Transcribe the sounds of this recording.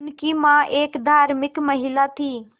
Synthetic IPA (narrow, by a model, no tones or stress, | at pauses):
nkimãʔeːkd̪ʱaːɾmɪkməɦɪlat̪ʰiː